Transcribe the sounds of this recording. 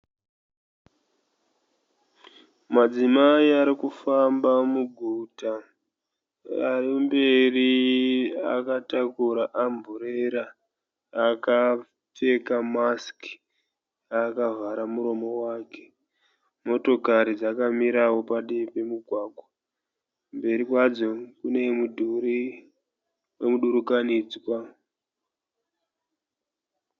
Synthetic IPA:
mad͡zimaiaɾikufambamuɡʱuta | arimbe̞ri | a̰katakuɾaʔambʱuɾeɾaː | ka | fe̞kamaski̥ | akavaɾamuɾo̞mo̞waːke̞̥ | mo̞to̞kaɾid͡zakamiɾawo̞paɗepe̞muɡʱwaːɡʱwa | mbe̞ɾikwad͡zo̞kune̞mudʱuɾi | we̞muɗuɾukaniːd͡zwa

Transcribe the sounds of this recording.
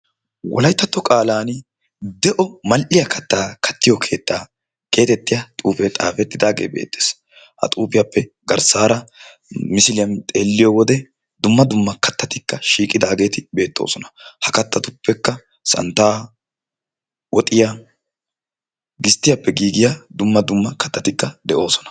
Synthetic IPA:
wɔ̰lɐjt̪ːɐt̪ːɔkʼaːlaːn | d̪ɛʔɔmɐlʔɪjɐkʰɐt̪ːaːkʰɐ̥t̪ːɪjɔkʰe̞ːt̪ːaː | ke̞ːt̪ɛt̪ːɪjɐt̪ʼuːfɛt̪ʼa̰ːfɛt̪ːɪd̪aːɡḛːbe̞̰ːt̪ːe̥ːs | hɐ̰t̪ʼuːfɪjɐpːɛ | ɡɐɾsaːɾɐ | mɪsɪlɪjɐnt̪ʼeːlːɪjɔwɔd̪ɛ | d̪ʊmːɐd̪ʊmːɐkɐt̪ːɐt̪ɪkːɐʃiːkʼɪd̪aːɡe̞ːt̪ɪbe̞ːt̪ːo̞̰ːsɔnɐ̥hɐkɐt̪ːɐt̪ʊpːɛkːɐ | sɐ̰nt̪ːaː | wɔt̪ʼɪja | ɡɪst̪ːɪjɐpːɛɡiːɡɪjad̪ʊmːɐd̪ʊmːɐkɐt̪ːɐt̪ɪkːɐd̪ɛʔo̞ːsɔ̥nɐ̥

